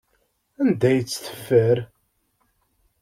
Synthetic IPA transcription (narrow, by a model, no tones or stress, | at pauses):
ænd̪æjət͡sːθə̥fːəɾ